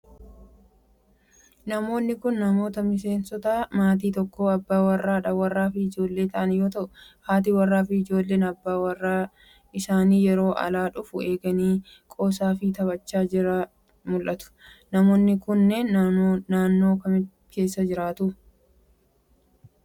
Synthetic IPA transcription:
nɐmo̞ːnːɪkʊnːɐmo̞ːt̪ɐmɪse̞ːnsɔt̪ɐmaːt̪̬iːt̪ɔkːoːɐbːaːwɐrːaːᶑɐwɐrːaːfɪɪd͡ʒo̞ːlːe̞ːt̪ɐʔɐnjo̞ːt̪ɐʔʊhaːt̪̬iːwɐrːaːfɪɪd͡ʒo̞ːlːe̞ːnɐbːaːwɐrːaː | ʔɪsaːniːjɛɾo̞ːʔɐ̰laːᶑʊfʊe̞ːɡɐniː | kʼo̞ːs̬aːfɪt̪ɐbɐt͡ʃːaːd͡ʒɪɾɐ | mʊlʔɐt̪ʊ̥nɐmoːnːɪkʊnːennaːnːo̞ːkɐmɪ | ke̞ːsːɐd͡ʒɪɾaːt̪ʊ

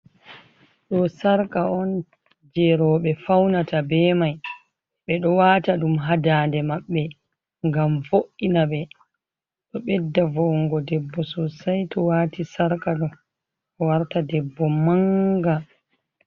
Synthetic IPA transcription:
ɗɔsaɾkaɔn | d͡ʒɛɾɔːɓɛfawnatabɛmaj | ɓɛɗɔwaːtaɗumɦadaːndɛmaɓːɛ | ŋɡamvoʔːinaɓɛ | ɗɔɓɛdːavɔŋɡɔdɛbːɔsɔsajtɔwaːtisaɾkaɗɔ | ɗɔwaɾtadɛbːɔmaŋɡa

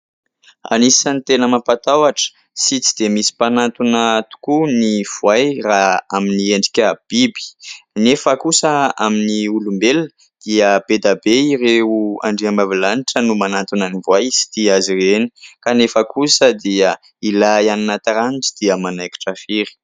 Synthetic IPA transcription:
a̰nisanit̪enəmapat̪awaʈ͡ʂə̥ | sit͡si̥d̪̥emisi̥panat̪unət̪u̥kuniv̥wajraaminieɳɖ͡ʐikʲəb̥ibi̥nefəkusəaminiulumbel | d̪̥iəbed̪abeiɾeua̰ɳɖ͡ʐiambavilaniʈ͡ʂənumanant̪unənivwajsi̥t̪iaziɾenikanefəkʰusəd̪iə | ilaaninat̪aɾaniʈ͡ʂi̥d̪̥iəmanajki̥ʈ͡ʂəfiɾi̥

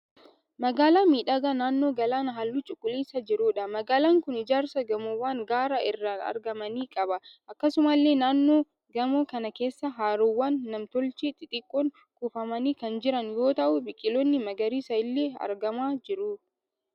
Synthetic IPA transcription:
mɐɡaːlaːmiːᶑɐɡɐnaːnːo̞ːɡɐlaːnɦɐlːut͡ʃʼʊkʼːʊliːsɐd͡ʒɪɾuːᶑɐmɐɡaːlaːŋkʊnɪd͡ʒaːɾsɐɡɐmowaːŋɡaːɾɐʔɪrːaːnɐ̰ɾɡɐmɐniːkʼɐbɐʔɐkːɐsʊmɐlːe̞ːnaːnːoː | ɡɐmoːkɐnɐke̞ːsːɐɦaːɾɔwːaːnːɐmt̪ɔlt͡ʃit̪ʼːɪt̪ʼɪkʼːɔŋ | kufɐmɐniːkɐnd͡ʒɪɾɐnjo̞ːt̪ɐʔʊbɪkʼɪlɔnːɪmɐɡɐɾiːsɐjɪlːeːɐ̰ɾɡɐmaːd͡ʒɪɾʊ

